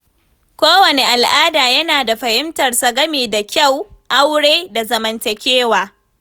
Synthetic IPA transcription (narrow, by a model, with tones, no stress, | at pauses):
kʷoː˦wɐ˨ne˨ʔa˨lʔaː˦daː˨jɐ˦naː˨da˨ɸɐ˨hɪ˦mtɐ˨rsɐ˨ɡɐ˦meː˨da˨kʲa˦˨wʔa˦wɽeː˦da˨zɐ˨mɐ˨ntɐ˨kʲeː˦waː˨